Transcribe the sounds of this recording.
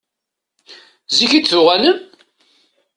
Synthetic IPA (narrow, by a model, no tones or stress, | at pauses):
ziçit͡sːθʊʁænən